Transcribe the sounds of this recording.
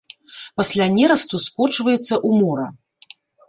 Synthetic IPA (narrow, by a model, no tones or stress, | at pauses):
pɐsʲlʲanʲɛɾɐst̪uskɔt͡ʂvɐjɛt̪sːɐʔumɔɾɐ